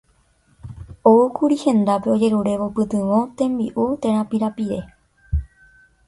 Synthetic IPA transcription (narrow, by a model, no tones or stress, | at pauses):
oukuɾihẽ̞nd̪ape̞o̞d͡ʒe̞ɾuɾe̞ʋopɨt̪ɨʋõ̞t̪ẽ̞mbiʔut̪ẽ̞ɾãpiɾapiɾe̞